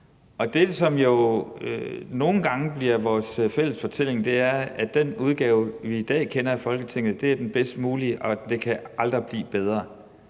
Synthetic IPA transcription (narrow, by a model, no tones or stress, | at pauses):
ɒ̽d̥e̝sɒ̽mjo̝ | no̝ːn̩ɡ̥ɑ̈ŋəb̥liɐʋɒːsfel̰əsfɒ̽t͡sʰel̰e̝ŋd̥e̝æɐæd̥enuð̞ˠɡ̥ɛːʊʋiːd̥ɛ̰ːkʰenɐæfɒ̽lɡ̥ət͡sʰe̝ŋ̰ð̩ˠd̥e̝æɐd̥enb̥esd̥əmuːliʔɒ̽d̥e̝kʰæɑ̈ld̥ʁɐb̥lḭːb̥eð̞ˠʁɐ